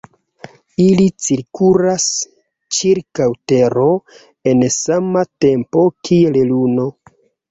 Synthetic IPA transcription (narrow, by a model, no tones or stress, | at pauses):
ilit͡siɾkulas | t͡ʃiɾkawteɾo̞ | e̞nsamate̞mpo̞kʰielluno̞